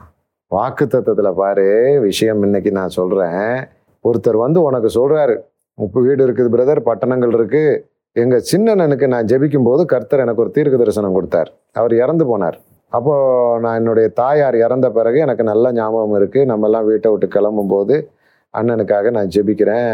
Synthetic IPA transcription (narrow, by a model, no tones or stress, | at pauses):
ʋaːkɯt̪ːɐt̪ːɐt̪ːɪlɐpaːɾɯʋɪʂɐjɐmɪnːɐkːinãːsɔlɾẽː | ɔɾɯt̪ːɐɾʋɐnd̪ɯɔnɐkːɯsɔlraːɾɯ | ʋiːɽɪɾɯkːɐðɯpɪɾɐðɐɾpɐʈːɐɳɐŋɡɐɭɪɾɯkːɯ | ɛŋɡɐt͡ʃɪnːɐnɛnɯk̬ːɯnãːd͡ʒɛbɪk̬ʲːɯmpoːðɯkɐɾt̪ːɐɾɛnɐkːɔɾɯt̪iːɾkɯðɐɾɐsɐnɐmkɔɽɯt̪ːa̰ːɾ | ɐʋɐɾɛɾɐnd̪ɯpoːna̰ːɾ | ɐpːoːnãːɛnːɯɽɐjɐt̪aːjaːɾɛɾɐnd̪ɐpɪɾɐɣɯɛnɐkːɯnɐlːɐɲaːmɐɣɐmɪɾɯkːɯnɐmːɛlːãːʋiːʈːɐʋɪʈːɯkːɛɭɐmbɯmpoːðɯ | ʔɐ̰nːɛnɯkːaːɣɐnãːd͡ʒɛbɪkʲːɪɾẽː